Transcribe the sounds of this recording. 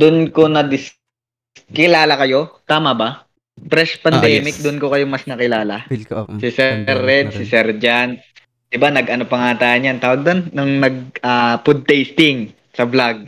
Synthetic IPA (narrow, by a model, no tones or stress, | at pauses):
d̪̥ʊnkonɐd̪ɪs | kɪlaːlɐkɐjo̞t̪aːmɐba | pɾɛspɐnnd̪ɛːmɪk̚d̪ʊnkokɐjomɐsnɐkɪlaːlɐsɪsɛɾɛd̪̚sɪsɛɾd͡ʒan | d̪̥ɪbanɐɡʔɐno̞pɐŋaːt̪ajɐnjant̪aːwɐɡ̚d̪onːɐŋnɐɡ̚aːpʊd̪̚t̪ɛjst̪ɪŋ | sɐblaɡ̚